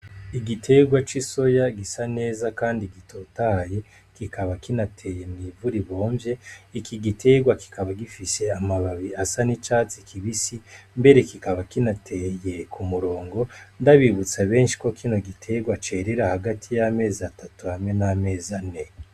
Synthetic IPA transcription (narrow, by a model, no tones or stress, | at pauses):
iɡitʰe̞ɡwat͡ʃiso̞jaɡisane̞ːzakaːndiɡitʰo̞taje | kikʰaβakinatʰe̞je̞nivuɾiβo̞ːɱvje̞ikiɡitʰe̞ɡwaki̥kʰaβaɡifise̞amaβaβiasanit͡ʃaːt͡si̥kʰiβisimbe̞ɾe̞kikaβakinatʰeje̞kʰumuɾo̞ːŋɡo̞ndaβiβut͡saβe̞ːnʃi̥ko̞kʰino̞ɡitʰe̞ɡwat͡ʃe̞ɾeɾahaɡatʰijame̞ːzatatuhamŋe̞name̞ːzane